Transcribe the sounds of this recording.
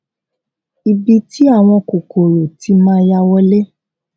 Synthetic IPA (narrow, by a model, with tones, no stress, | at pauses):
i˨bi˧ti˦a˦˨w̃ɔ̃˧ko˨ko˨ɾo˨ti˨˦mãː˦ja˧wɔ˦le˦